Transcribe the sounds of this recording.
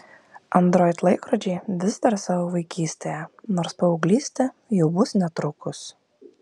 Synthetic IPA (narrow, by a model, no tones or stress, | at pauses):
ɐnd̪ɾoːjt̪lˠɐɪkɾɔd͡ʒʲɛɪʋʲɪzd̪ɐɾsɑːʋoʋɐɪkʲiːsʲt̪ʲejɛnoːɾspɐʊɡlʲiːsʲt̪ʲɛjɛʊbʊsnʲɛt̪ɾʊkʊs